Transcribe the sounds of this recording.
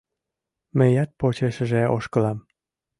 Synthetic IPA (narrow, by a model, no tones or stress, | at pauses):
mejɑt̪̚pot͡ɕeʃəʒeʔoʃkəlɑm